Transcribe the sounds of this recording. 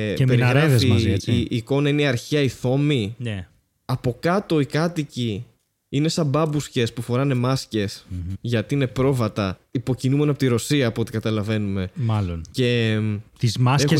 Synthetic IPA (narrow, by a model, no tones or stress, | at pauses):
peɾiɣɾɐfiː | ko̞nɐineiɐɾçiɐiθo̞mine | ɐpo̞kɐt̪o̞ikɐt̪ici | ine̞sɐbɐbusce̞spufo̞ɾɐne̞mɐsce̞sʝɐt̪iine̞pɾo̞vɐt̪ɐipo̞cinume̞nɐpo̞t̪iɾo̞siɐːpoot̪i̥kɐt̪ɐlɐve̞nume̞mɐlonce̞t̪izmɐseke